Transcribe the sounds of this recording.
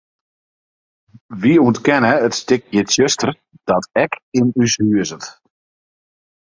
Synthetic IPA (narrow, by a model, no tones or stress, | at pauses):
ʋiuəntkɛnəətstɪk̚jɪtsøstər | d̥ɔtɛkɪnyshyəzət